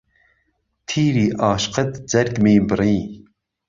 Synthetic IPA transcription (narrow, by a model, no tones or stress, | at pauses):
t̪ʰiːɾiːʔɑːʃqət̪d͡zɐɾkmiːbɨɾiː